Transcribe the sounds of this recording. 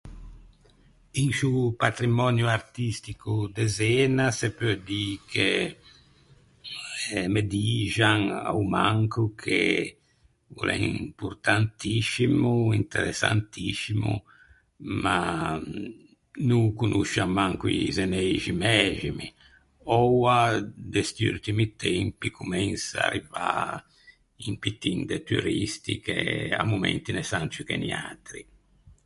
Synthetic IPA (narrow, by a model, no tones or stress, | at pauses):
iŋsupat̪ɾimɔnjuaɾt̪ist̪ikud̪ɛzɛːnasepød̪ike | med̪iːʒaŋa̰wmaŋkukʰḛ | ṵlɛ̰impuɾt̪ant̪iʃimuint̪ḛɾɛ̰sːa̰nt̪ʰisimṵ | ma | nuŋkunʔuʃːamːaŋkuizenɛʒimɛʒimi | ɔwad̪ɛst̪iṵlt̪imit̪ʰɛmpikʰumɛnsaa̰rːiva | impit̪ːind̪et̪uɾist̪ikḛa̰mːumɛ̰nt̪inɛsant͡ʃikɛnia̰ːt̪ɾi